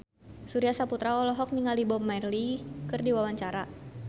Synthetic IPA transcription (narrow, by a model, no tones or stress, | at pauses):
suɾiasaput̪ɾaɔlɔɦɔk̚niŋalibɔmajrlikɨrdiwawaɲt͡ʃaɾa